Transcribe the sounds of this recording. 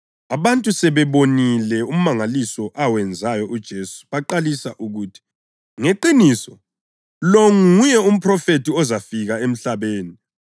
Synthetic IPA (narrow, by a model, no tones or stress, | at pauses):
aβantʼusɛβɛβonilɛum̩maŋalisɔʔawɛnd͡zʱajɔʔud̥ʒ̥ʱesu̥βaǃalisaʔuɣuːtʰi̥ | ŋeǃinisɔ | loŋujɛum̩pʰrɔfetiɔzafiɣaem̩ɬaβeːni